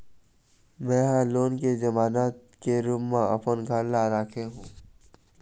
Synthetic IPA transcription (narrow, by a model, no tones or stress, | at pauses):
mɛ̃ːɦãloːnkezɐmaːnaːt̪̚ | keɾʊmːãɐpənɡʱalːaɾaːkʰeɦũː